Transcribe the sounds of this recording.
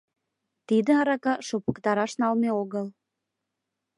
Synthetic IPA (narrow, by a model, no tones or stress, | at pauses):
t̪id̪ə̆ɑɾɑkɑʃopəkt̪ɑɾɑʃnɑlmeoɣəl